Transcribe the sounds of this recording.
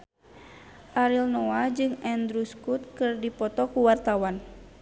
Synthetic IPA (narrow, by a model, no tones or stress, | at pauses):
ʔaɾilnɔad͡ʒɨŋɛnd̪ɾuskut̪̚kɨrdipɔt̪ɔkuwart̪awan